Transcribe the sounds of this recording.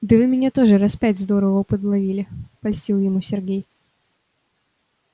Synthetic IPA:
d̪əvɨmʲɪnʲat̪oʐɨɾɐspʲætʲzd̪o̞ɾəvəpəd̪lˠɐvʲilʲɪpɐlʲsʲtʲilˠjɪmusʲɪrɡʲej

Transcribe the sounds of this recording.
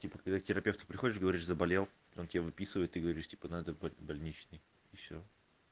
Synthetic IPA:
tʲipəkɐɡd̪atʲɪɾɐpʲeft̪ə̥fpɾɪxo̞dʲɪʂɡəvɐɾʲiʂzəbɐlʲelˠ | ontʲɪbʲavɨpʲisɨvəjɪt̪t̪ːɨɡəvɐɾʲiʂtʲi̥pənad̪əbɐbɐlʲnʲit͡ɕnɨj | ɪsʲo

